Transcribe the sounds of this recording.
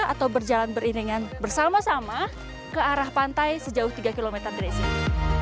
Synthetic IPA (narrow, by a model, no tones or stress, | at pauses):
a̰t̪awbərd͡ʒalanbəriɾiŋanbərsamasama | kəaɾahpant̪ajsəd͡ʒaʊht̪iɡakilomɛt̪ərdiɾesia